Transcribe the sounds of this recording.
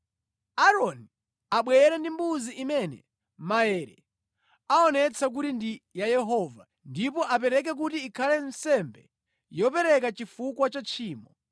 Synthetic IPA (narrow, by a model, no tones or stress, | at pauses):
aɾɔni | aɓwɛɛɾɛndimbuziʔimɛnɛ̰ | maɛɾɛ | aɔnɛt͡sʰak̬utindijajɛɦɔːva | ndipɔʔap̬ɛɾɛk̬ɛk̬utiːkʰalɛnsɛmbɛ | jɔpɛɾɛk̬at͡ʃifukwat͡ʃat͡ʃʰiːmɔ